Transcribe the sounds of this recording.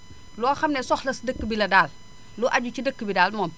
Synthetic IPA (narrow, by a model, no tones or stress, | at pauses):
lɔːxɐmnɛsɔxlɐsdəkːəbilɐdaːl | luʔaɟucidəkːəbidaːlmɔːm